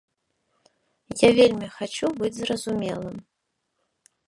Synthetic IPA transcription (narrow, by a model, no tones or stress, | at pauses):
javʲelʲmʲixat͡ʃubɨd͡zʲzrɐzumʲɛlˠɨm